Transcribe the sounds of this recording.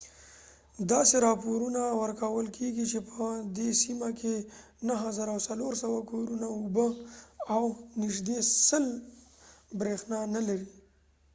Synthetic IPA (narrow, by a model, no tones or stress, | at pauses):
d̪ɑseɾɑpoɾunawəɾkawəlkʰeɡit͡ʃepʰəd̪esimakʰe | naɦazaɾawsaloɾsəwakoɾunaʊbəawnɪʒd̪esəl | bɾexnɑnalaɾi